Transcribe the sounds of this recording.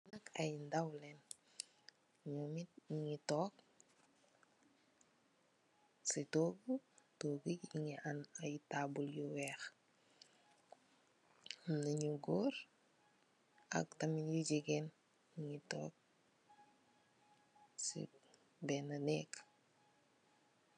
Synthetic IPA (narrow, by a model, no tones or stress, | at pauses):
nɐka̰jndawlen | ɲumit̚iŋitɔːk̚ | sitoːɡutoːɡikiŋianajtaːbuljuwɛːx | nɐɲuɡoɾ | ɐ̰k̚tɐminjuɟiɡɛn | iŋitɔ̰ːk̚ | sḭ | bɛːnɐnɛk